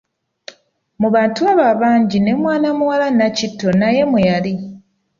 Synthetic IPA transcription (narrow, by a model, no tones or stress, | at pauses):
muβaːntuaβaβaːɲɟine̞mwaːnamuwalanacitːo̞naje̞mujali